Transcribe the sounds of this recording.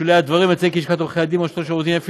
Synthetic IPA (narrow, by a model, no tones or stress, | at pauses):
ulead̪vaʁimet͡sekiʃkat̪uχead̪imaʃloʃaut̪imaf